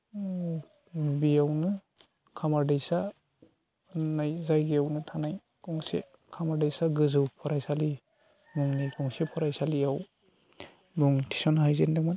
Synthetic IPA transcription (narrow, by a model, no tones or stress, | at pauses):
biawnɯ | kʰamaɾdajsa | najzajɡijawnɯtʰanaj | kɔŋsḛ | kʰamaɾdajsaɡɯzɯwpʰɔɾajsali | muŋnikʰɔŋsepʰɔɾajsalijaw | buŋtʰi̥sɔnɦajzendamɯ